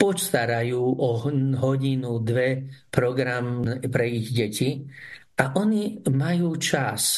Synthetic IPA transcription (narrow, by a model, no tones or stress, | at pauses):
pɔt͡ʃt̪aɾajuːʔɔɦɔɟinud̪ʋɛpɾɔɡɾampɾɛiɣɟɛci | aʔɔnimajuːt͡ʃas